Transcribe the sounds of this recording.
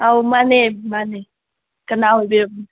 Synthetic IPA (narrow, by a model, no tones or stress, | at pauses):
awmanemane | kənawebe